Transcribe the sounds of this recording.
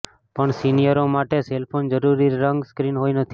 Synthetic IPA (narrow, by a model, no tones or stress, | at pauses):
pəɳsinijəɾomaʈeselpʰond͡ʒəɾuɾiɾəŋɡskɾinɦojnət̪ʰi